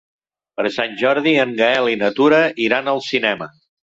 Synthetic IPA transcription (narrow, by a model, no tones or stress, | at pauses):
pəɾsanʲʒɔɾðiəŋɡəɛlinət̪uɾəʔiɾanəlˠsinɛmə